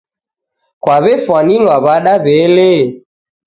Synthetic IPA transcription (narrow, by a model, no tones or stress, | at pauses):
kwaβɛfwanilwaβaɗaβɛle